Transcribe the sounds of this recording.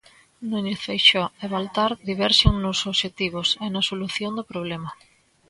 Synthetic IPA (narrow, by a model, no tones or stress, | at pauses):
nonifejʃɔeβalt̪aɾd̪iβɛɾʃeŋnʊsoβʃet̪iβosenasoluθjond̪opɾoβlemɐ